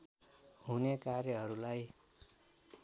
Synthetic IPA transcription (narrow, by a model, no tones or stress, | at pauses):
ɦunekarjʌɦʌɾulaj